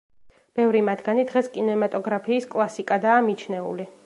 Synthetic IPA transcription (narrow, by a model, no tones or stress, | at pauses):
b̥ɛvɾimad̪ɡanid̪ʁɛskʼinɛmat̪ʼɔɡɾapʰiːskʼlˠasikʼad̪aːmit͡ʃʰnɛṵli